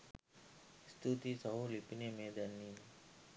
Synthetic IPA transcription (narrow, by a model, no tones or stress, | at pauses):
st̪ʰut̪isəɦulipinemeːd̪ɐnːin